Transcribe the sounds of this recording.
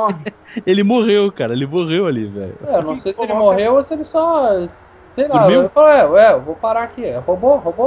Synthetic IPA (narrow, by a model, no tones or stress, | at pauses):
ɔ | elɪmoʁewkaɾɐelɪmoʁewalivɛ̰ʎʊ̰ɛnɐ̃w̃sejsɪelɪmoɦewoseelɪsɔ | sẽj̃lamiewfaloɛɛewvopaɾaakiɛhobohobo